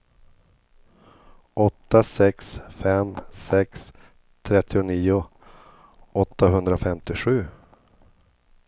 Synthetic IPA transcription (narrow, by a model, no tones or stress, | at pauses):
ʔɔt̪ːasɛksfɛmsɛks | t̪ʰɾɛt̪ʰːɪʊniːʊ | ɔt̪ːaɦɵnd̪ɾafɛmt̪ɪɧʉ̟ː